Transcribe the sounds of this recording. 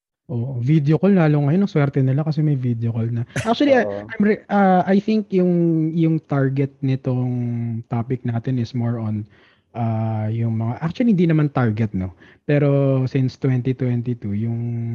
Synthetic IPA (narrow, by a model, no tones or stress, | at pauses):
ʔoːʔovid̪jokollaːloŋɐjonːɐŋswɛɾt̪ɛnɪlakɐsɛmɐjvid̪jokolnɐʔak̚t͡ʃʊɐliʔajmɾɛʔɐʔajθɪŋkjʊŋjʊŋt̪aɹɡɛt̪̚nɪt̪oŋt̪aːpɪk̚naːt̪ɛnɪsmoɹʔɔn | ʔajʊŋmɐŋaʔak̚t͡ʃʊɐlihɪnd̪inɐmant̪aɹɡɛt̪̚no̞pɛːɾo̞sɪnst̪wɛnt̪it̪wɛnt̪it̪ujʊŋ